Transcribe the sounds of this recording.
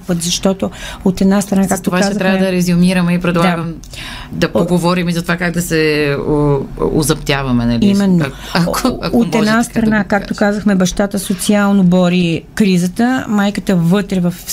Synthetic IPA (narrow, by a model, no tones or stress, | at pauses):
pət̪zɐʃt̪ɔt̪oot̪ɛd̪nast̪ɾɐnakakt̪ovat̪ɛzɾavɐd̪ɐɾɛzʊmiɾəmɛipɾɛd̪lˠaɡɐm | d̪ɐpoɡovɔɾimizɐt̪ovakaɡ̚d̪ɐsɛ | o̰zɐpt̪ʲjavɐmɛnɐliimɛnːo | kaot̪ɛd̪nast̪ɾɐnakakkt̪o̥kazəxmɛbɐʃt̪at̪əsot̪sialˠnobɔɾikɾizət̪əmajkət̪əvɤt̪ɾɛvɐf